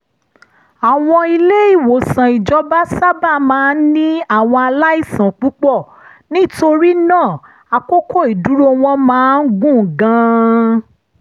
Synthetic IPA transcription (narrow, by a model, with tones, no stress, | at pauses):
a˨w̃ɔ̃˧i˧le˦i˦˨wo˨sã˨i˨d͡ʒɔ˧˦ba˦sa˦ba˦˨mãː˨˦nĩ˦a˦˨w̃ɔ̃˧a˧la˦i˦˨sã˨k͡pu˨˦k͡pɔ˦˨ | nĩ˦to˧ɾi˦nãː˦˨ | a˧ko˦kʰo˦˨i˨du˨˦ɾo˦w̃ɔ̃˧mãː˨˦n̩˦ɡũ˦˨ɡã˨˦